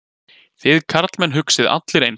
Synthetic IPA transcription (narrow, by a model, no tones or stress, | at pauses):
θɪðkʰaɾt̪lmɛnɦʏksɪða̰t̪lɪɾejn